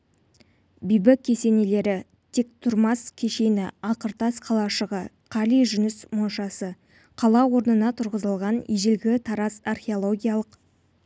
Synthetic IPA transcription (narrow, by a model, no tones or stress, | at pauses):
bijbɪkʲʰːe̞se̞ne̞le̞ɾɪ | t̪ʰek̚t̪ʰʊɾmɑskʲʰeʃe̞nɪɑqəɾt̪ɑsqʰɑlˠɑʃəʁə | qʰɑlijʒʏnɪsmonʃɑsə | qʰɑlˠɑwo̞ɾnənɑt̪ʰʊɾʁəzəlˠʁɑniʒɪlɡʲɪt̪ʰɑɾɑsarχʲeolˠo̞ɡʲijalˠəq